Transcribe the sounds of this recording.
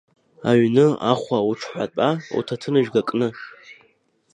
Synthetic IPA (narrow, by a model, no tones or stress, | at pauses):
aɥnɨa̰χʷauʈ͡ʂʰħʷatʼaṵtʰatʰɨnɨʒɡakʼnɨ